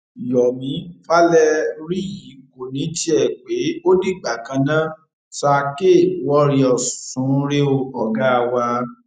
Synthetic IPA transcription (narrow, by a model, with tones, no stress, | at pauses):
i˨jɔ˨mĩ˨˦fa˦lɛ˦ɾi˦ji˨˦˨ko˨nĩ˨˦ti˦ɛ˦˨k͡pe˨˦o˦di˦ɡ͡ba˨kã˧nã˦ | sa˧ke˦˨wɔ˦ɾi˧ɔ˨ssũ˨˦ɾe˦o˧ɔ˨ɡa˦a˧wa˧